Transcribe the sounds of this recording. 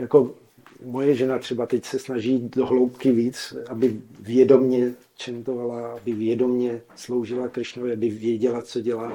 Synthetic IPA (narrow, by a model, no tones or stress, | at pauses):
jako̞ | mo̞jɛʒɛnat̪r̥ɛbat̪ɛcsɛsnaʒiːdoɦlowpkɪviːt͡sʔabɪvjɛdo̞mɲɛ | t͡ʃɛnt̪ovalaabɪvjɛdo̞mɲɛslo̞wʒɪlakɾɪʃnovɪabɪvjɛɟɛlat͡soɟɛlaː